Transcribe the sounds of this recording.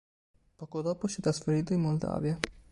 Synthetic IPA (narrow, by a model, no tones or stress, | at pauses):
pɔːkod̪ɔːposɛt̪ːɾasfeɾiːt̪̬oimːold̪a̰ːvja